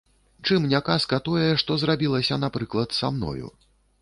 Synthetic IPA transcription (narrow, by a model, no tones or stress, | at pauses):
t͡ʂɨmnʲakaskɐt̪ɔjɛʂt̪ɔzrabʲilˠɐsʲɐn̪apɾɨklˠɐt̪samnɔ̰jṵ